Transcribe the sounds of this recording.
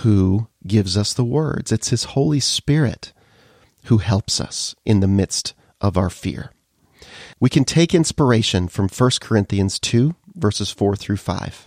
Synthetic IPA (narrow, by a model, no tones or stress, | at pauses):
huɡɪvzʌsðəwɜ̰˞dz̥ɨtshɨz̥hoʊlˠispɪɹɪ̰t̚ | huhɛlˠpsʌ̰sʔɨ̃nðɨmɪdst | ʔʌvaʊə˞fɪ̰ɹ | wikʰɨ̃ntʰeɪkɪ̃nspə˞eɪʃɨ̃nfɹʌ̃ɱfɜ˞skʰə˞ɪ̃nθiɨ̃nz̥tʰʉvɜ˞sɨz̥fɔɹθɹʉfa̰ɪv̥